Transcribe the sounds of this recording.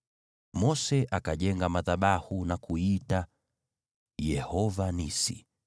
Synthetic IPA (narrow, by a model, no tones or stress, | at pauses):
mɔsɛʔakaʄɛŋɡamaðaɓahunakuita | jɛhɔvanisḭ